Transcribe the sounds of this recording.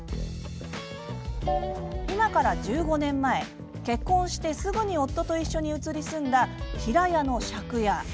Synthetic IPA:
imakaɾad͡ʑɨːɡo̞nẽ̞mːae̞ | ke̞kːõ̞ɰ̃ɕi̥t̪e̞sɨɡɯ̟ɲ̟io̞t̪ːo̞t̪o̞iɕːo̞ɲ̟iɯ̟t͡sɨɾʲisɨ̃nd̪açiɾajano̞ɕakɯ̟ja

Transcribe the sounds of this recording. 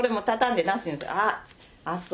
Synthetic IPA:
oɾe̞mo̞t̪at̪ãnd̪e̞nãɕĩnesa̰a | as

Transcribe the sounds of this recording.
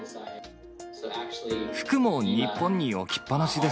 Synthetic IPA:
ɸɯ̟̥kɯ̟moːɲipːõ̞ɲ̟ːiokʲi̥pːanaɕid̪e

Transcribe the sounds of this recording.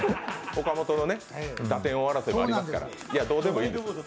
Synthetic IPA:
ho̞kamo̞t̪o̞no̞ne̞ | d̪at̪ẽ̞ɰ̃o̞βaɾasoimoaɾʲimasɨ̥ka̰ɾa̰ | ijad̪o̞ːd̪e̞mo̞ĩːnd̪ess

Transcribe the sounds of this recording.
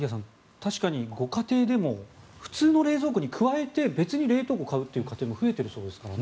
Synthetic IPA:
ijas̬ãn | t̪aɕi̥kaɲ̟iɡo̞kat̪e̞ːd̪e̞mo̞ | ɸɯ̟̥t͡sɨːno̞ɾe̞ːzo̞ːkɯ̟ɲ̟ikʰɯ̟βae̞t̪e̞be̞t͡sɨɲ̟iɾe̞ːt̪o̞ːɡo̞kaɯ̟t̪ːe̞iɯ̟kat̪e̞ːmo̞ɸɯ̟e̞t̪e̞ɾɯ̟so̞ːd̪e̞sɨ̥kaɾane

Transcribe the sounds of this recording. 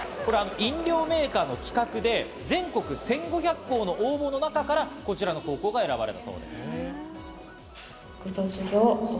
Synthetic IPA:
ko̞ɾe̞ano̞ʔĩɲɾʲo̞ːme̞ːkaːno̞kʲi̥kakɯ̟d̪e̞ | d͡zẽ̞ŋko̞kɯ̟sẽ̞ŋɡo̞çʲakːo̞ːno̞ʔoːbo̞no̞nakakaɾako̞t͡ɕiɾano̞ko̞ːko̞ːɡae̞ɾabaɾe̞t̪aso̞̰ːd̪e̞̰sɨ̥ | kɯt̪ot͡sɨɡʲo

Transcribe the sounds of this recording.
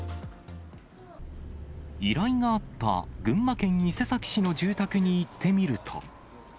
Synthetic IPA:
iɾaiŋaːt̪ːa̰ɡɯ̟̃mːakẽ̞ɲ̟ːise̞sakʲi̥ɕino̞ʑɨːt̪akɯ̟ɲ̟iːt̪ʰːe̞mʲiɾɯ̟t̪ʰo̞̰

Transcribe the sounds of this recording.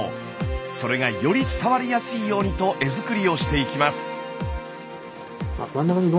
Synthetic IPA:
so̞ɾe̞ɡajo̞ɾʲit͡sɨ̥t̪aβaɾʲijasɨiːjo̞ːɲ̟it̪o̞ʔe̞zɨkɯ̟ɾʲio̞ɕi̥t̪e̞ikʲimasɨ̥ | ma̰mãnːakaɲed̪o

